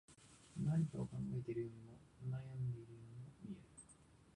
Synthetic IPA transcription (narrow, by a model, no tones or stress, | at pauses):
naɲit̪oːkãŋɡae̞t̪eɾɯjo̞ːɲ̟imo̞najamɯd̪eɾɯjomomʲieɾɯ